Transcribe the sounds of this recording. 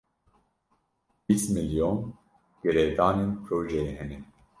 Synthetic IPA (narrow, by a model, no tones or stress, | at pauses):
bismiljon | ɡ̥ɛɾɛd̪aːnenpɾoːʒɛjeɦɛnɛ